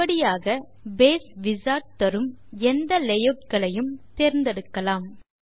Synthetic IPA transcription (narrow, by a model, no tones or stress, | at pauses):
ɐɽɪjaːɣɐ | beːsʋɪsaːʈ̚t̪ːɐɾɯm | ɛnd̪ɐlɛjɐp̚ɡɐɭɐjɯmt̪eːɾnd̪ɛɽɯkːɐlaːm